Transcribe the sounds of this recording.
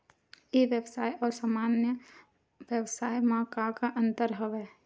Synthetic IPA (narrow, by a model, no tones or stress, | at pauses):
jeʋjəwsaːjʔɔːɾsaːmaːnjə | ʋjəwsaːjmãkakaʔə̃nt̪əɾɦəʋɛː